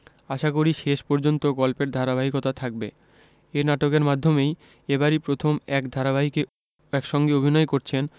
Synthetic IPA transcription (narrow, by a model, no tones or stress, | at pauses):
aʃakoɾiʃeʃpɔɾd͡ʑont̪oɡɔlpeɾd̪ʱaɾaβaɦikot̪at̪ʰak̚be | enaʈokeɾmad̪ʱːomej | ebaɾipɾot̪ʰomɛkd̪ʱaɾaβaɦike | ɛkʃɔŋɡeobʱinɔekoɾt͡ɕʰen